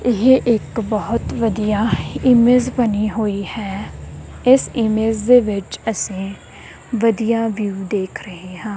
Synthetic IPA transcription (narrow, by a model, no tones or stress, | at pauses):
ɪɦeʔɪkbɔːʊt̪ʋəd̪ijaːɪmeːzbəniːɦoːiːhɛː | ɪsɪmeːzd̪eːʋɪt͡ʃəsĩː | ʋəd̪ijaːʋjuːd̪eːkʰɾəɦeːɦãː